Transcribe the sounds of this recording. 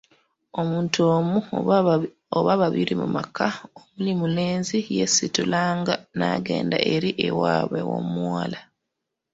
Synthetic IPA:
o̞muːntoːmu | oβaβaβiɾimumakʰaomulimule̞ːnzije̞situlaːŋɡanaːɡe̞ːndaʔe̞ɾiʔewaβewo̞̰muwaːla

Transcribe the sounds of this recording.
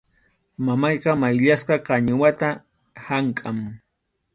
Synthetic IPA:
mamɑjqɑmajʎasqɑqɑɲʊwat̪a | haŋkʼam

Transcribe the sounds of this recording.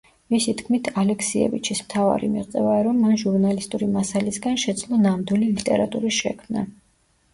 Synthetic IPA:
misit̪ʰkʰmit̪ʰalɛkʰsiɛ̰vḭt͡ʃʰismt̪ʰava̰ɾḭmḭʁt̪sʼɛ̰vaːɾɔmːanʒuɾnalist̪ʼuɾimasalisɡanʃɛd̪zlˠɔnamd̪wililit̪ʼɛɾat̪ʼuɾiʃɛkʰmna̰

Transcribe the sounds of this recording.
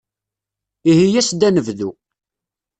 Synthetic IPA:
ihijæsd̪ænəvðu

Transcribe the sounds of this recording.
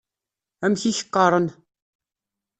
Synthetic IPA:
æmçiçə̥qːɑɾˤən

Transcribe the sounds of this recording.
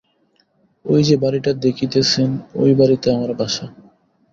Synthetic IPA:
ojd͡ʑebaɾiʈad̪ekʰit̪et͡ɕʰeno̰jbaɾit̪eamaɾbaʃa

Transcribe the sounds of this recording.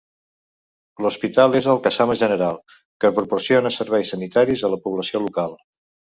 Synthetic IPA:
luspit̪alˠezəlˠkəsaməʒənəɾalˠ | kəpɾupursionəsəɾβɛjsənit̪aɾizðələpuβləsiolukalˠ

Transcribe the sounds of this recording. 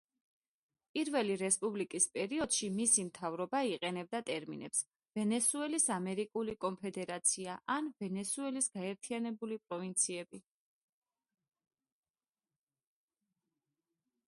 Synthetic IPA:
pʼiɾvɛliɾɛspʼublikʼispʼɛɾiɔd̪̥ʃimisimt̪ʰavɾɔbaiqʼɛnɛb̚d̪at̪ʼɛɾmḭnɛ̰ps | vɛnɛsuɛlisamɛɾikʼulikʼɔnpʰɛd̪ɛɾat̪sʰiaʔanvɛnɛsuɛlisɡ̥aɛɾt̪ʰianɛbulipʼɾɔvint̪sʰiɛbi

